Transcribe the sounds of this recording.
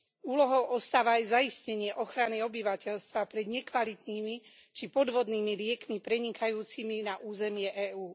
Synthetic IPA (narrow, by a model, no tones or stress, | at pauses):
uːlɔɦɔʊʔɔst̪aːʋaːjzaiscɛɲɪɛʔɔxɾaniɔbiʋacɛʎst̪ʋapɾɛd̪ɲɛkʋalit̪niːmi | t͡ʃipɔd̪ʋɔd̪niːmilɪɛkmipɾɛɲikajuːt͡siminaʔuːzɛmɪɛʔɛːuː